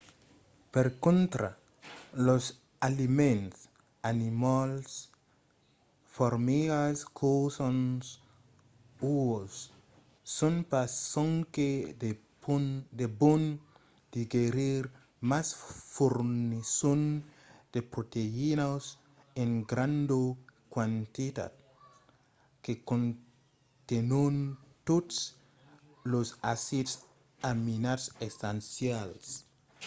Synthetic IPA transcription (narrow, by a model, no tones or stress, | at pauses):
peɾkõnt̪ɾa̰ | los | alimẽns | animals | foɾmiɡaskʰosons | uosː | onpasoŋked | d̪ebon | d̪̥iɡeɾiɾ | masfoɾnnison | d̪̥epɾot̪einas | ẽŋɡɾãnd̪okwant̪it̪a̰d̪̚ | kekõn | t̪enont̪ots | losasid̪s | aminat̪sestansjals